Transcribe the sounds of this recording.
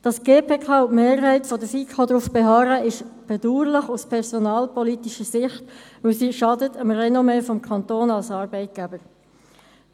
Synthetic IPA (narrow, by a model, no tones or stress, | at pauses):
d̥ɑsɡ̥eːpʰeːkʰɑːʊmeːɾɦɛɪtfɔdəsikʰodɾufb̥ɛɦɑːɾəɪʃb̥ɛd̥uːɾləχuspʰɛɾsɔnɑːlpɔlitiʃəsɪχtvɪlsiːʃɑdətəmrɛnomɛfɔmkʰɑnt̪oːnɑlsɑːɾbɛɪt̚ɡ̥ɛbəɾ